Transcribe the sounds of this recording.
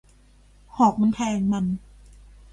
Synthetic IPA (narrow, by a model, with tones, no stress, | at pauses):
hɔː˨˩k̚ma˧np̪ʰɛː˧ŋma˧n